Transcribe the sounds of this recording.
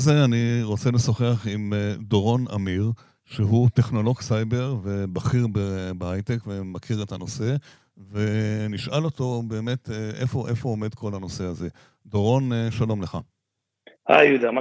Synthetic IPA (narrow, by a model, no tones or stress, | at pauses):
zeaniʁo̞t͡se̞lesoχeaχimdoʁo̞na̰miʁ | ʃeɦute̞χno̞lo̞ɡsajbe̞ʁve̞baχiʁbebeajtekve̞makʰiʁe̞tano̞se̞ | ve̞niʃalo̞to̞be̞ːme̞t̪eʔefoʔefoːmedkʰo̞lano̞se̞aze̞ | doʁo̞neʃalo̞mle̞χa | ha̰jud̪ama